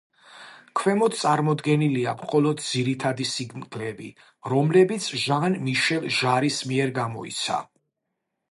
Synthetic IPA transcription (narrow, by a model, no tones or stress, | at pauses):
kʰwɛmɔt̪t̪sʼaɾmɔd̪ɡɛniliamχɔlɔd̪̚d̪ziɾit̪ʰad̪isiɡnɡʰlɛbḭ | ɾɔmlɛbit̪sʰʒanmiʃɛlˠʒaɾismiɛɾɡamɔḭt̪sʰa̰